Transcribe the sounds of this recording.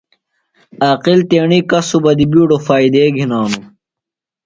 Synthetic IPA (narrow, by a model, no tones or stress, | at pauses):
aːqilt̪eːɳikɐsubɐd̪ibiːɖofaːid̪eːɡʱinaːnu